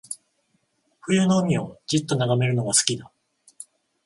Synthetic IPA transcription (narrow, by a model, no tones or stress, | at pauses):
ɸɯ̟jɯnoɯmʲio̞d͡ʑɨt̪ːo̞naɡame̞ɾɯ̟no̞ɡasɨ̥kʲid̪a